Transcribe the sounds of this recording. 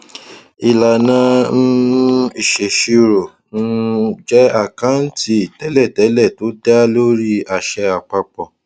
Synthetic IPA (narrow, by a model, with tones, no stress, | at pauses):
i˧la˨nã˧˦n̩˦i˦˨ʃe˨ʃi˧ɾo˨ | ñ̩˦d͡ʒɛ˦a˦˨kã˦n̩˦ti˧˦i˨tɛ˨˦lɛ˦˨tɛ˨˦lɛ˦˨to˨˦da˦lo˦ɾi˦a˧˨ʃɛ˧˦a˨k͡pa˧k͡pɔ˨